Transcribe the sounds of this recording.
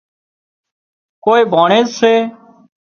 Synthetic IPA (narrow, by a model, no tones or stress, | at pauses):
koːeːbʱaːɳeːzseː